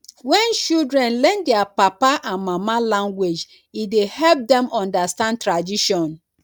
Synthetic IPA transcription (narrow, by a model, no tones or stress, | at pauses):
wɛ̃nt͡ʃildɹɛ̃nlɛ̃ndɛapapaʔãnmamalãŋɡwed͡ʒ | idehɛlp̚dɛ̃mɔ̃ndastãn̚tɾadiʃɔ̃n